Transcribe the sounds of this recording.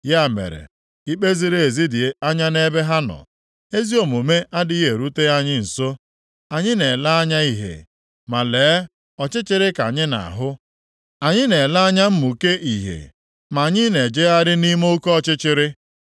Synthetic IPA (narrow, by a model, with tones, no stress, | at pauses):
ja˦˨mḛ˨ɾḛ˨ | i˦k͡pe˦zi˦ɾe˦e˨zi˦dɪ˨˦a˦ɲa˦ne˦be˦ɦa˦nɔ̰˨ | e˦zi˦o˨mo˨me˦a˦dɪ˦e˨ɾu˦te˦a˦ɲɪ˦n̩˨so˦ | a˨ɲɪ˦ne˨la˦a˦ɲa˦i˦ɦḛ˨ | ma˨leː˨˦ | ɔ˨t͡ʃɪ˦t͡ʃɪ˦ɾɪ˦ka̰˨ɲɪ˦na̰˨a̰˨ɦʊ˦ | a˨ɲɪ˦ne˨la˦a˦ɲa˦m̩˦mu˨ke˦ʔi˨ɦḛ˨ | ma˨ɲɪ˦ne˨d͡ʒe˦a˦ɾɪ˦ni˦mo˦kɔ˦ɔ˦t͡ʃɪ˦t͡ʃɪ˦ɾɪ˦